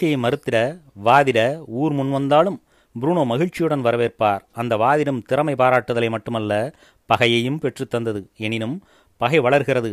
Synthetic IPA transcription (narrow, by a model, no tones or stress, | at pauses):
ɐɐɪmɐɾɯt̪ːɪɾɐʋaːðɪɾɐuːɾmʊnʋɐnd̪aːlɯm | bʊɾuːnoːmɐɣɪɻt͡ʃːɪjɯɽɐnʋɐɾɐʋeːrpaːɾɐnd̪ɐʋaːðɪɾɯmt̪ɪɾɐmɐɪpaːɾaːʈːɯðɐlɐɪmɐʈːɯmɐlːɐ | pɐɣɐjɐjɯmpɛʈrɯt̪ːɐnd̪ɐðɯɛnɪnɯm | pɐɣɐɪʋɐɭɐɾɣɪrɐðɯ